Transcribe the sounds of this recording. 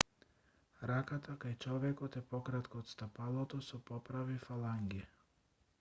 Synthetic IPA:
ɾakat̪akajt͡ʃɔvɛkɔt̪ɛpɔkɾat̪kɔːt̪st̪apalˠɔt̪ɔsupɔpɾavifalˠaŋɡi

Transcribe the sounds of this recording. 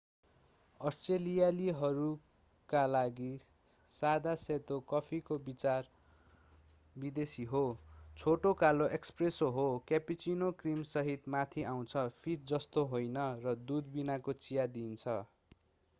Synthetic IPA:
ʌsʈrelijaliɦʌɾu | kalaɡi | sad̪aset̪okʌpʰikobit͡sar | bid̪esiɦot͡sʰoʈokaloʔekspresoɦokapit͡sinokrimsʌɦit̪mat̪ʰiaw̃t͡sʰʌpʰitd͡zʌst̪oɦojnʌrʌd̪ud̪binakot͡sijad̪int͡sʰʌ

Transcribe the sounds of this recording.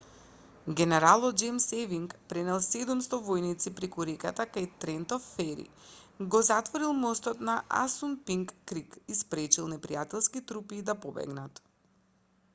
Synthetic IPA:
ɡʲɛnɛɾalˠɔt̪̚d͡ʒɛmsɛviŋkpɾɛnɛlˠsɛd̪umst̪ɔvɔjnit̪sipɾɛkuɾɛkat̪akajt̪ɾɛnt̪ɔfːɛɾḭɡɔzat̪vɔɾilˠmɔst̪ɔt̪naʔa̰sunpiŋkːɾikispɾɛt͡ʃilˠnɛpɾijat̪ɛlˠskit̪ɾupiːd̪apɔbɛ̰ɡnat̪

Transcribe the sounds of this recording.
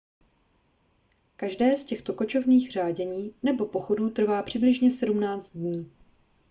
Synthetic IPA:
kaʒdɛːscɛxt̪o̞ko̞t͡ʃo̞vniːxr̝aːɟɛɲiːnɛbo̞po̞xo̞duːt̪r̩vaːpr̝̥ɪblɪʒɲɛsɛdumnaːt͡st̪̚dɲiː

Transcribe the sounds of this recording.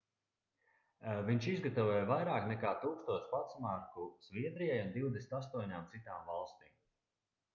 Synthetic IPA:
viɲʃizɡat̪avojvajɾaːknɛkaːt̪uːkst̪uɔspat̪smaɾkuz̥viɛd̪ɾijajund̪iwd̪esnt̪as̬t̪uɔɲaːmt̪sit̪aːmvalˠst̪iːm

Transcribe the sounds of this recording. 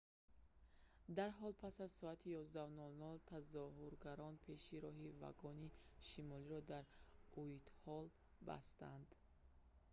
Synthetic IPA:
d̪aɾɦɔlpʰasazsɔat̪ʰijɔzd̪avnɔlnɔlt̪ʰazɔɦuɾɡaɾɔnpʰe̞ʃiɾɔɦiva̰ɡɔniʃimɔliɾɔd̪aɾuit̪hɔl | ba̰st̪and̪̥

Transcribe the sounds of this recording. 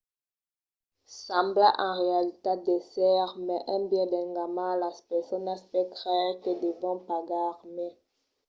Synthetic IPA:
sɑ̃mbla̰ʔɑ̃ʁealit̪ad̪esɛʁmɛʔɛ̃bjɛ̃dɛ̃ŋɡamãlaspɛsɔnaspɛkʁɛkəd̪evɔ̃paɡaʁmɛ

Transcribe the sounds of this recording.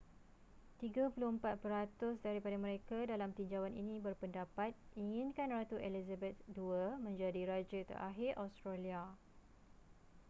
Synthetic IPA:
t̪iɡapulʊhəmpat̪̚pəɾat̪ʊs̬daɾipadamə̃ɾekadalamt̪iɲd͡ʒawaninĩbərpəndapat̪̚iŋɪ̃nkanrat̪uʔelizabɛt̪̚duamə̃ɲd͡ʒadiɾad͡ʒət̪ə̰ɾa̰ɦɪrʔa̰st̪ɾalia

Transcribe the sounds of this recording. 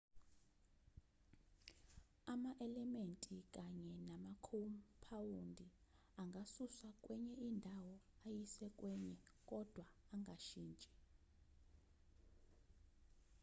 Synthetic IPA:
amaʔɛlɛmentʼik̬ʼaɲɛnamakʰompʰawundʱi | aŋɡʱasusakʼwɛɲɛindʱawɔ | ajisɛkʼwɛɲɛkʼɔd̥ʱwaːŋɡʱaʃiːnt͡ʃʼɛ̥

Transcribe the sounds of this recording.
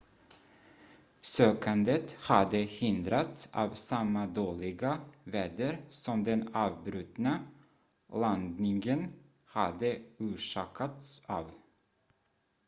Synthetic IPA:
søːkand̪ət̪had̪əhɪnd̪ɾat̪sɑ̰ːvsamːad̪oːlɪɡavɛːd̪əɾsɔmd̪ɛnɑːvbɾʉt̪na | land̪nɪŋɡən | had̪əʉːʂɑːkʰat̪sɑːv

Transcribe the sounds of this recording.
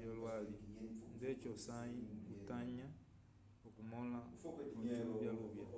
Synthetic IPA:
olwalindecosajikutaɲa | okumolat͡ʃoluβjaluβja

